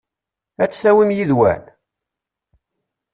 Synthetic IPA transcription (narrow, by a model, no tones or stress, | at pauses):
æt͡sːθæwimjiðwæ̰n